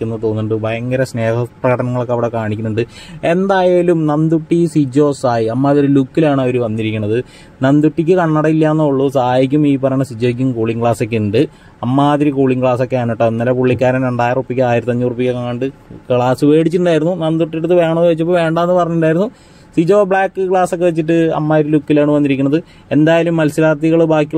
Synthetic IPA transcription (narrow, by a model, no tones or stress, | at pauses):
unːɐt̪o̞ːnːuɳɖɨbʱɐjɐŋɡɐɾɐsne̞ːhɐprɐɣɐʈɐnɐŋːɐɭokːeɐʋiɽekaːɳikʲːunːuɳɖɨe̞nd̪aːjeːlumnɐnd̪uʈːisid͡ʑo̞ːsaːjiɐmːaːðiɾilukːilaːɳɐoɾuʋɐnːiɾikʲːuɳːɐðɨ | nɐnd̪uʈːikʲːɨkɐɳːɐɽɐilːaːnːɐuɭːusaaːjik̬ʲːumiːpːɐɾɐnɐsid͡ʑoːik̬ʲːumkuːɭiŋɡɭaːsokʲːeɳɖɨ | ɐmːaːðiɾikuːɭiŋɡkɭaːsokːeaːnoʈːɐnːɐlɐpuɭːikʲːaːɾɐmɾeɳɖaːjirrupːikʲːɨaːjiɾɐt̪ːɐɲːurupːikʲːɨkaŋːɐɳɖɨkɭaːsɨʋe̞ːɽit͡ɕːiʈuɳɖaːjiɾunːunɐnd̪uʈːiɽut̪ːɨʋe̞ːɳɐʋet͡ɕːɐp̬ːoʋe̞ːɳɖaenːɨpɐrɐɲːuɳɖaːjɾunːu | sid͡ʑoːbɭaːkːɨkɭaːsokːeʋet͡ɕːiʈːɨɐ̰mːaːðiɾilukːilaːɳɨʋɐnːiɾikʲːunːɐðɨ | e̞nd̪aːjɐlumːɐlsiɾaːrt̪iɣɐɭbaːkʲːi